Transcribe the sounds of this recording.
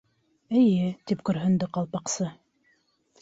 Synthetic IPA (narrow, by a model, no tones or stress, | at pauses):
ɘ̆jɘt̪ipkɵ̆ɾɦɵ̆nd̪ɘqɑlˠpɑqsɤ